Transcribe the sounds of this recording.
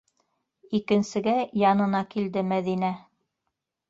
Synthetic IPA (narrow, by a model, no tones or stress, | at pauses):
ikɘ̆nsɘ̆ɡæjɑnɤ̆nɑkild̪ɘmæðinæ